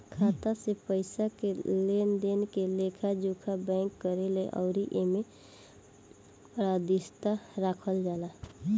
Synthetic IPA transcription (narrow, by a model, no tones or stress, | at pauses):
kʰat̪asepəɪsakelend̪enkelekʰad͡ʒukʰabɛ̃ŋkːəɾeleʔɔ̰ːɾiʔeme | pɾad̪ist̪aɾakʰəld͡ʒala